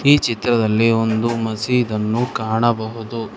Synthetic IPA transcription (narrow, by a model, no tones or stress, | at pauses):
iːt͡ʃit̪ɾɐd̪ɐlːio̞nd̪umɐsiid̪ɐnːukaːɳɐbɐɦud̪u